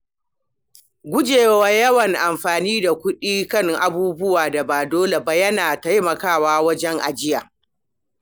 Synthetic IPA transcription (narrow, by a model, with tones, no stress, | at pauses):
ɡʷʊ˦d͡ʒeː˨waː˦jɐ˦wɐ˨ŋʔa˨mɸaː˨niː˦da˨kʷʊ˦ɗiː˦kɐ˦ŋʔa˨buː˦bʊ˦waː˨da˨baː˨doː˦le˨ba˨jɐ˦naː˨ta˦jmɐ˨kaː˦˨waː˦wɐ˦d͡ʒɛ˦ŋʔa̰˨d͡ʒɪ˦jaː˨